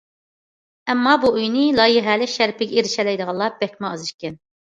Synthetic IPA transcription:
ɛmːɑbuujnɨlˠɑjɪɦɛlɪʃæɾpɪɡʲɛeɾɪʃɛlɛjd̪əʁɑllˠɑb̥ɛkʲmɑɑzɨʃkʲɛn

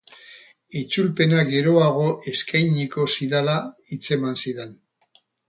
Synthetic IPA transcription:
it͡sulpe̞naɡe̞ɾo̞aɣ̞o̞ʔe̞skajɲiko̞siðalait͡se̞mansiðen

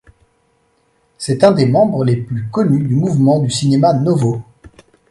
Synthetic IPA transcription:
sɛt̪ɛ̃d̪emɑ̃bʁəleplykɔnyd̪ymuvmɑ̃d̪ysinemanɔvo

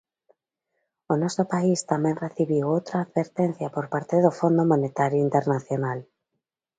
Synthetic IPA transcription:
onɔsopaist̪amẽŋreθiβiwowt̪ɾaːðβeɾt̪en̟θjapoɾpaɾt̪eðofond̪omonet̪aɾjoint̪eɾnaθjonal

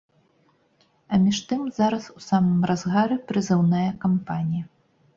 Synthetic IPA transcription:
ɐmʲiʂt̪ɨmzaɾɐsusamɨmrazɣaɾɨpɾɨzɛwnajɐkampanʲijɐ

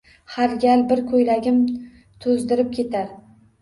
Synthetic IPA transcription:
haɾɡʲalbɪɾkʰɵjlaɡʲɪm | t̪ʰʊzd̪ɪɾɪp̚kʲʰe̞t̪ʰaɾ

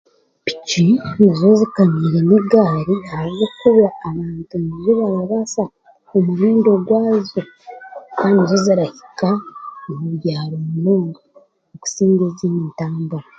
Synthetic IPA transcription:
pi̥cinazo̞zikamiɾeneɡaːɾiaɾazokuβaːβaːntuniziβaaβasa | omuɾiːndoɡwaːzo | kaːndizoziɾahi̥kaomuβɟaːɾoːmunoːŋɡa | oku̥siːŋɡeziːniːntaːmbaɾa

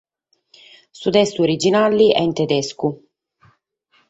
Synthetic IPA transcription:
sut̪ɛst̪uoɾid͡ʒinalːiʔɛ̰int̪ed̪ɛsku

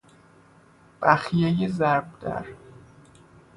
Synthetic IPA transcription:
b̥æxijejezæɾbd̪̥æ̰ɾ

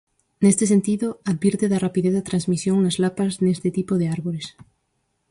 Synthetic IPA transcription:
nest̪es̬ent̪iðoaðβiɾt̪eðarapiðeθat̪ɾanzmisjoŋnazlapaznest̪et̪ipoðeaɾβoɾes

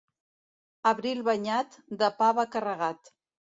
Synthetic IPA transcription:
əβɾilˠβəɲat̪d̪əpaβəkərəɣat̪

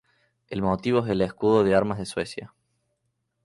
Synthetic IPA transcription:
elmot̪iβoeɦðeleskuðoðeaɾmazðeswesja̰

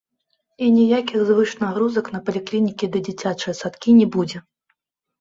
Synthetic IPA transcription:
inʲijakʲixzvɨʂnaɣɾuzɐkn̪ɐpɐlʲiklʲinʲikʲid̪ɐd͡zʲit͡sʲat͡ʂɨjɐsat̪kʲinʲɛbud͡zʲɛ

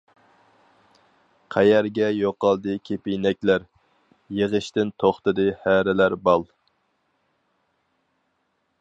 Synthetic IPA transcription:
qʰæjæɾɡʲɛjoqːɑlˠd̪ɨkʲʰepijnɛkʲlæɾ | jəʁəʃt̪ɪnt̪ʰoχt̪ɨd̪ɨhæɾɪlæɾbɑlˠ

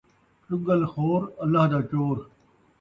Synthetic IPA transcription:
ʈʊɡəlxoːɾɐlːaɦd̪aːt͡ʃoːɾ

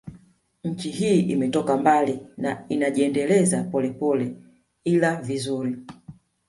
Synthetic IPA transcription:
ɲ̩t͡ʃihiːʔimɛtɔkambalinainaʄiɛndɛlɛzapɔlɛpɔlɛ | ilavizuɾi

